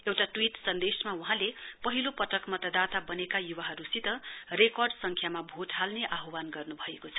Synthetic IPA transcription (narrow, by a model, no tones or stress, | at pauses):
ewʈaʈwiʈsʌnd̪esmauɦãlepʌɦilopʌt̪ʌkmʌt̪ʌd̪at̪abʌnekajuwaɦʌɾusit̪ʌrekʌrɖsʌŋkʰjamabʱot̪ɦalneʔaɦowanɡʌrnubʱʌekot͡sʰʌ̥